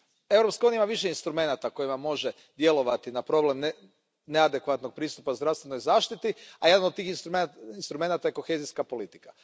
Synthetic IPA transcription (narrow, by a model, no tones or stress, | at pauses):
e̞vɾo̞pskajunʲjaimaʋiʃeinst̪ɾume̞nat̪ako̞jimamo̞ʒe | d̪je̞lo̞ʋat̪inapɾo̞ble̞m | nead̪ekʋat̪noɡ̚pɾiːst̪upauzɾaʋst̪ʋeno̞jzaːʃt̪it̪iajed̪anod̪̚t̪iːxinsuinst̪ɾume̞nat̪ajeko̞xeziskapo̞lit̪i̥kḁ